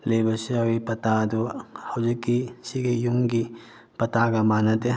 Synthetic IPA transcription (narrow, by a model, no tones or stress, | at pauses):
lebɐsiawipɐt̪ad̪uhɐwd͡ʒikːisiɡejuŋɡi | pɐt̪aɡɐmanɐd̪e